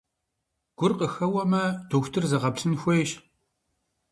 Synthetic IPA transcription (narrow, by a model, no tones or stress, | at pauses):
ɡ̥ʷʊrqəxɐwɐmɐdʰuːxʷtʰɨrzɐʁɐpsɨnxʷeːʃ